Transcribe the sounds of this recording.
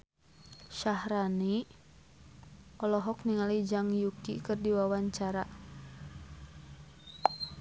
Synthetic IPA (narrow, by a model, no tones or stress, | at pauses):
ʃahɾani | ɔlɔɦɔk̚niŋalid͡ʒaŋjukḭkɨrdiwawaɲt͡ʃaɾa